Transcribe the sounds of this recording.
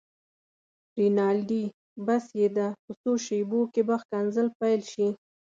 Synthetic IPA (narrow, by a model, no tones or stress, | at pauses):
ɾinɑlɖi | basjed̪apəsoʃebokebaxkanzəlpajlʃi